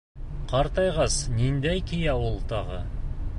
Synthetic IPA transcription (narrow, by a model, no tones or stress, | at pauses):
qʰɑɾt̪ɑjʁɑsnend̪æjkʰʲijɑwəlˠt̪ʰɑʁə̰